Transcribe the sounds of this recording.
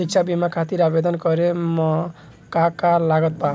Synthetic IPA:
ik̚t͡ʃʰabimakʰat̪iɾabed̪ɔnkɔɾemɔ | kakalaɡɔt̪̚pã

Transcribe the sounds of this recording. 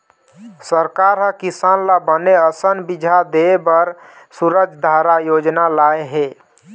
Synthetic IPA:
səɾkaɾɦə̃kisanlabəneəsənbid͡ʒʱad̪ebəɾ | suɾəd͡ʒʱd̪ʱaɾajod͡ʒnalaeɦe

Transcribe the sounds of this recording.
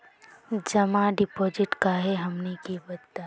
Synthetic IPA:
d͡ʒɐmaɖɪpɔːd͡ʒɪʈkaɦɛɦɐmnekebɐd̪t̪a

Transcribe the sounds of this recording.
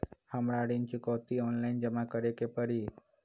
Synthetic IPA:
hamɾaɽint͡ʃikɔt̪iɔnlaind͡ʒəmakəɾekepəɾi

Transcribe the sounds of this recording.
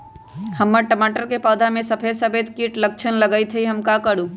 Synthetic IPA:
həmːəʈəmaːʈəɾkepəːd̪ʱamẽsɐpʰesəbeːt̪kiʈlək̚t͡ʃʰənləɡəit̪ʰeiɦɐmkakəɽũː

